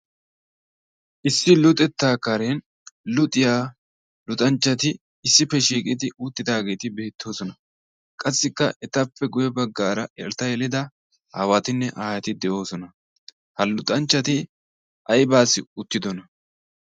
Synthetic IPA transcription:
ʔɪsːɪlʊt̪ʼɛt̪ːaːkɐɾen | lʊt̪ʼːɪjaː | lʊt̪ʼɐnt͡ʃːɐt̪ɪ | ɪsːɪpːɛʃiːkʼɪd̪ɪʔuːt̪ːɪd̪aːɡe̞ːt̪ɪbe̞ːt̪ʰːo̞ːsɔnɐ | kʼɐsːɪkːɐʔɛt̪ɐpːɛɡʊjɛbɐɡːaːɾɐʔɛɾt̪ɐjɛlɪd̪ɐ | ha̰wat̪ɪnːɛʔaːjɐt̪ɪd̪ɛʔo̞ːsɔnɐ | hɐlʊt̪ʼɐnt͡ʃːɐt̪ɪ | ʔɐjbaːsːɪʊt̪ːɪd̪ɔnɐ

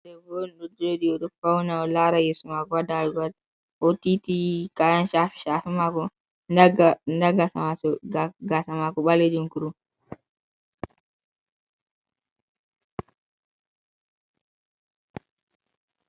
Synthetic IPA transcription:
sɛvonɗudoɗiɔɗɔfawnaɔlaɾajesumakɔwadaɾɡad | ɔtitikajanʃafi̥ʃaːfimakɔ | ndaɡasaasɔɡasamakɔɓaled͡ʒunkuɾu

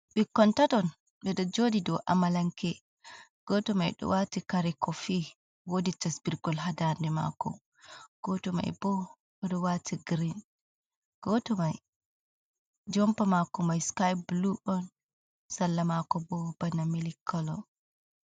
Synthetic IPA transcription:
bikːɔntatɔn | ɓɛɗɔd͡ʒodidɔʔa̰malaŋkɛ | ɡ̥ɔtɔma̰jɗɔ̰watikaɾɛkɔfi | woditasbiɾɡɔlɦadandɛma̰kɔ̰ | ɡ̥ɔtɔma̰jbɔ | ɔɗɔwatʰiɡɾin | ɡ̥ɔtɔmaj | d͡ʒɔmpamakɔmajskajbluʔɔn | salːamakɔbɔbanamilikʰːɔlɔ̰

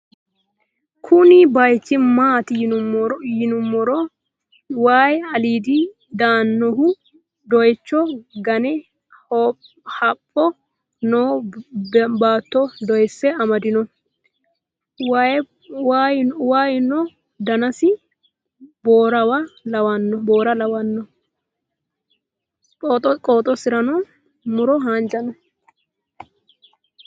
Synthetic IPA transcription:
kʰʊnɪbɐjt͡ʃːɪmaːt̪ɪ | jɪnʊmːɔɾɔ | waːjɐliːd̪i | d̪aːnːɔhʊ | d̪ɔjt͡ʃːɔɡɐnɛ | ɔ | hɐpʼːɔ | noː | baːt̪ːɔd̪ɔjsːɛɐmɐd̪ɪnɔ | w | wajwaːjnɔ | d̪ɐnɐsɪ | boːɾɐwɐlɐwɐnːɔboːɾɐlɐwɐnːɔ | kʼoːt̪ʼːɔsɪɾɐnɔ | mʊɾɔɦaːnd͡ʒɐnɔ

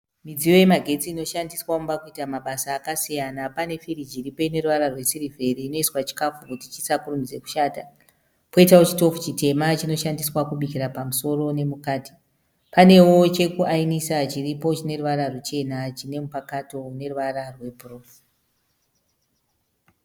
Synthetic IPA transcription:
mid͡zijo̞je̞maɡʱe̞t͡siːno̞ʃandiswaumbakuitamaɓasaːkasijanapane̞fiɾid͡ʒiɾipo̞ine̞ruʋaɾarwe̞siɾivʱe̞ɾiːno̞iswat͡ʃi̥kafukutit͡ʃisakurumid͡ze̞ku̥ʃaːta | po̞itaot͡ʃito̞fu̥t͡ʃite̞mat͡ʃino̞ʃandiswakuɓikiɾapamuso̞ɾo̞ne̞mukaːti̥ | pane̞wo̞t͡ʃe̞kuʔainisat͡ʃiripo̞t͡ʃine̞ruʋaɾarut͡ʃe̞nat͡ʃine̞mupakato̞une̞ruʋaɾarwe̞proːfu̥

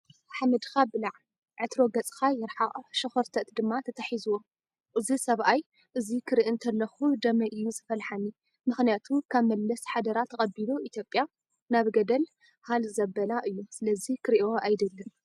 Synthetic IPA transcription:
ʔaħmɐd̪kabɨlaʕ | ʕɨt̪ɾo̞ɡɐt͡sʼkajɪɾħaʔʼʃɨxɐɾt̪ʰɐt̪d̪ɨmːat̪ʰɐt̪ʰɐħizuwo | ʔɨzisɐβʔaj | ʔɨzikʰɨɾiʔɨnt̪ʰɐlːɐxud̪ɐmɐʔɨjːuzɨfɐlħani | mɨxnijat̪ʰukʰaβmɐllɐsħad̪ɐɾat̪ʰːɐkʼɐbiluʔit̪ʰjo̞pʼja | naβɡɐd̪ɐl | halzɐbːɐlaʔɨjːusɨlɐzikʰɨɾʔo̞ʔajd̪ɐlːɨm

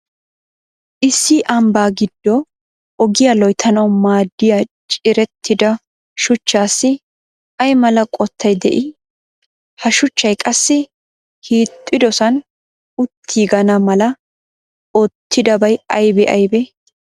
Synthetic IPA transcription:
ʔɪsːɪʔɐmbaːɡɪd̪̥ːɔ | ɔɡɪjalɔjt̪ʰɐnɐwmaːd̪ːɪjat͡ʃʼɪɾɛt̪ʰːɪd̪ɐ | ʃʊt͡ʃːaːsːɪ | ʔɐjmɐlɐkʼɔt̪ʰːɐjd̪ɛ̰ʔɪ | hɐʃʊt͡ʃːɐjkʼɐsːɪ | hiːt̪ʼːɪd̪ɔsɐn | ʊt̪ʰːiːɡɐnɐmɐlɐ | ɔt̪ʰːɪd̪ɐbɐjɐjbɛʔɐjbɛ

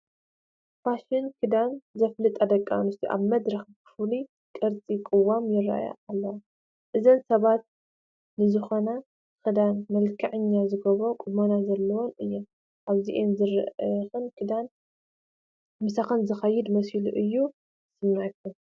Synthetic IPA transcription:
faʃɪnkʰɨd̪anzɐflɨt̪ʼad̪ɐkʼːanɨst̪ʰiʔa̰βmɐd̪ɾɐxbɨfuli | kʼɐɾt͡sʼikʼɨwamjɪra̰ja̰alːɐwa | ʔɨzɐnsɐβat̪̚ | nɨzɨxona | xɨd̪anmɐlkʰɐʕɨɲːazɨɡɐβɾokʼʊmonazɐlːɐwonɨjːom | ʔaβziʔenzɨɾxɨnkʰɨd̪an | mɨsaxɐnzɨxɐjːɪd̪mɐsiluʔɨjːu | sɨmːajkʰːum

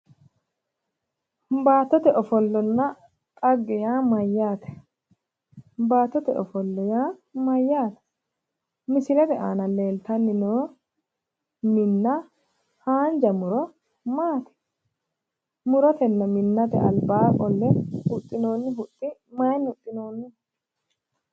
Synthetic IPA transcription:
baːt̪ːɔt̪ɛʔɔfɔlːɔnːɐ | t̪ʼɐɡːɪjaːmɐjːaːt̪ɛ̥ | baːt̪ːɔt̪ɛʔɔ̰fɔlːɔjaːmɐjːaːt̪ɛ̥ | mɪsɪlɛd̪ɛʔa̰ːnɐle̞ːlt̪ɐnːɪnoː | mɪnːɐ | haːnd͡ʒɐmʊɾɔ | maːt̪ɛ̥ | mʊɾɔt̪ɛnːɐmɪnːɐt̪ɛ̰ɐ̰lbaːkʼɔlːɛhʊt̪ʼːɪno̞ːnːɪɦʊt̪ʼːɪmɐjnʊt̪ʼːɪno̞ːnːɪ

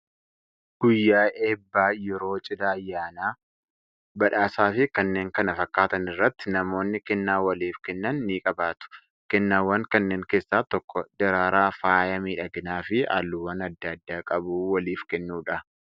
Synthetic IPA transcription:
ɡ̥ʊjːaːʔeːbːaːjɛɾo̞ːt͡ʃʼɪd̪aːjːaːnaː | bɐᶑaːsaːfɪkɐnːe̞ːŋkɐnɐfɐkːaːt̪ɐnɪrːɐt̪ːɪnɐmo̞ːnːɪkɛnːaːwɐliːfkɛnːɐnːiːkʼɐbaːt̪ʊ̥ | kɛnːaːwːɐŋkɐnːeːŋke̞ːsːaːt̪ɔkːɔd̪ɐɾaːɾaːfaːjɐmiːᶑɐɡɪnaːfɪa̰ːlːʊwɐnɐd̪ːɐd̪ːaːkʼɐbuːwɐliːfkɛnːuːᶑɐ

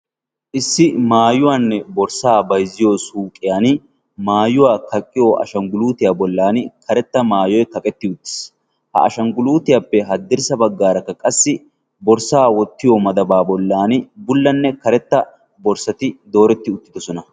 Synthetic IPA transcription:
ʔɪsːɪmaːjʊwaːnːɛbɔɾsaːbɐjzɪjosuːkʼːɪjaːn | maːjʊwaːkɐkʼːɪjoːʔɐ̰ʃɐŋɡʊluːt̪ɪjaːbɔlːaːnɪkʰɐɾɛt̪ːɐmaːjɔjkɐkʼɛt̪ːɪʊt̪ːɪ̥s | hɐ̰ʔɐʃɐŋɡʊluːt̪ɪjaːpːɛɦɐd̪ːɪɾsɐbɐɡːaːɾɐkːɐkʼɐsːɪ | bɔɾsaːwɔt̪ːɪjomɐd̪ɐbaːbɔlːaːnɪbʊlːɐnːɛkɐɾɛt̪ːɐ | bɔɾsɐt̪ɪd̪o̞ːɾɛt̪ːɪʊt̪ːɪd̪ɔsɔnɐ

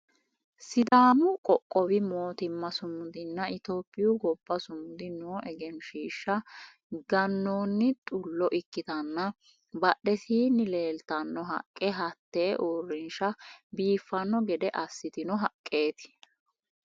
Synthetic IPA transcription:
sɪd̪aːnʊkʼɔkʼːɔbɪmo̞ːt̪ɪmːɐsʊmʊd̪ɪnːɐʔɪt̪o̞ːpʼːɪjʊɡɔbːɐsʊmʊd̪ɪnoːʔɛɡɛnʃiːʃːɐ | ɡɐnːoːnːɪt̪ʼʊlːɔʔɪkːɪt̪ɐnːɐ | bɐɗɛsiːnːɪle̞ːlt̪ɐnːɔɦɐ̰kʼːɛɦɐt̪ːe̞ːʔoːrːɪnʃɐbiːfːɐnːɔɡɛd̪ɛʔɐsːɪt̪ɪnɔɦɐkʼːe̞ːt̪ɪ̥

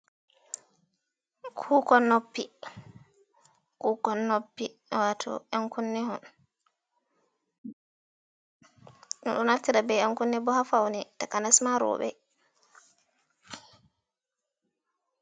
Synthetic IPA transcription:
kʰuːkɔnːopːi | kukɔnːopːiwatʰɔ̰ʔɛŋkunːihɔ̰n | ɗɔɗɔnaɾtiɾabɛɛŋkunːɛbɔhafawnitakanasmaɾɔ̰ːɓɛ̰

